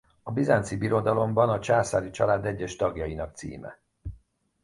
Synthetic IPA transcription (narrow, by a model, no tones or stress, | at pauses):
ɒbizant̪sibiɾo̞d̪ɒlo̞mbɒnɒt͡ʃaːsaːlit͡ʃɒlaːd̪ɛɟːɛʃt̪ɒɡjɒjinɒk̚t̪sḭːmɛ̰